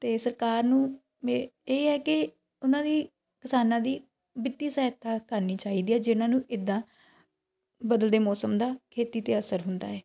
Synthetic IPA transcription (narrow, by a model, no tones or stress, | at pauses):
t̪eːsəɾkaːɾnũː | mẽeːɛːkɪ | ʊnãːd̪iː | kɪsaːnãːd̪iː | bɪt̪ːiːsɛːɦt̪ʰːaːkəɾniːt͡ʃaːɦiːd̪iːɛːd͡ʒɪnãːnũːʔɪd̪ːãː | bəd̪əld̪eːmɔːsəmd̪aːkʰeːt̪iːt̪eːəsəɾɦʊnd̪a̰ːɛː